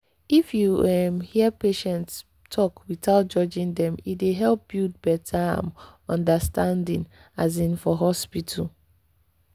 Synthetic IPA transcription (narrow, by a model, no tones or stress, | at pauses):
ifjuɛmhiəpeʃɛ̃nts | tʰɔkwitaʊt̚d͡ʒɔd͡ʒĩŋdɛ̃mideɦɛlˠp̚b̥ild̚bɛtʰa̰mɔ̃ndəstãndḭ̃n | azĩnfɔɦɔspitʰul̩